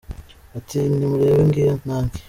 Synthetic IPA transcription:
atʰinimuɾeːβeŋɡianaːŋɡi̥

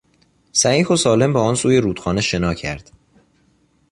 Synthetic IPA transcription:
sæiːxosɒːle̞mbɒːɒːnsuːje̞ɾuːt̪xɒːneʃe̞nɒːcʰæ̰ɾd̪̥

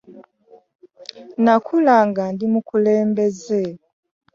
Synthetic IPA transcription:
nakʰulaŋɡandimukuleːmbe̞ze

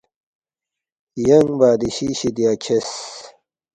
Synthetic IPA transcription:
jɐŋbaːd̪iɕiɕid̪iat͡ɕʰes

